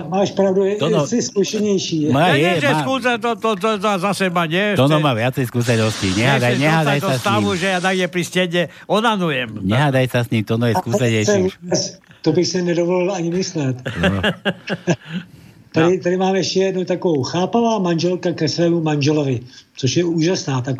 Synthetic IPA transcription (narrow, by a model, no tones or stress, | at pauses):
maːʃpɾavduɔɔsɪskuʃɛɲɛjʃiːmajɛɛaskusɛt̪ot̪ot̪ozazasɛmaɲɛt̪ɔnɔmaːʋɪat͡sɛjskus̬ɛnɔsciɲɛɦad̪ajɲɛɦɦaːd̪aj̪ɔast̪aʋuʒɛjat̪aɡɲɛpɾiscɛɲɛ | ɔnanujɛmɲɛɦad̪ajsasɲiːmt̪ɔnɔjɛkuːsɛɲɛjɛuɛst̪obɪxsɛnɛdovolɪlaɲɪmɪslɛt̪ | t̪adɪt̪adɪmaːmɛʃcɛjɛdnut̪akovowxaːpavaːmanʒɛlkakɛsvɛːmumanʒɛlovɪt͡soʃjɛuːʒasnaːt̪ak